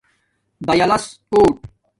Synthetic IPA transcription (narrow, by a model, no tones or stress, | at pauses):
bɐjɐlɐs | oːʈ̚